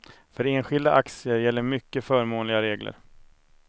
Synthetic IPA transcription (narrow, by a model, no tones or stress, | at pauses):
fœɾeːnɧɪld̪aʔaksɪəɾjɛlːəɾmʏkːəfœːɾmoːnlɪɡaɾeːɡlə̰ɾ